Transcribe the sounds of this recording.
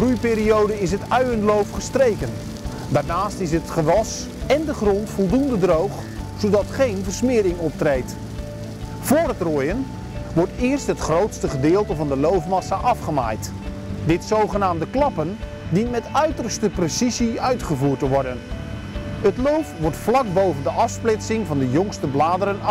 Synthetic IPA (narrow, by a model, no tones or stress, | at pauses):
rujpɪːɾiowdəɪs̬ɦətœɥənlowfχəstrejkən | daːrnaːstɪsɦətχəʋɑs | ɛndəχrɔntfɔlˠdundədrowχ | z̥owdɑtχejnvərsmɪːɾɪŋɔp̚trejt | v̥ʊːrɦətroːjən | ʋɔɹtɪːrstɦətχrowtstəχədɪːlˠtəvɑndəlowfmɑsaʔɑfχəma̰jt | dɪtsowχənaːmdəklɑpən | dinmɛtœɥtərstəpresiziœɥtχəvuːrtəʋɔrdən | ətlowfʋɔɹtflɑk̚bowvəndəʔɑfsplɪtsɪŋvɑndəjɔŋstəblaːdəɾən